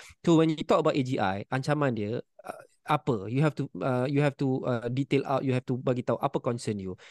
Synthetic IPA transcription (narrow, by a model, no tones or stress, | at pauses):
sowɛ̃njut̪ɔkəbaʊʔed͡ʒiʔa̰jãnt͡ʃamãndiə | apəjuɦɛftuəjuhɛftuədit̪ela̰wt̚juɦɛftubaɡit̪aũʔapəkɔ̃nsənju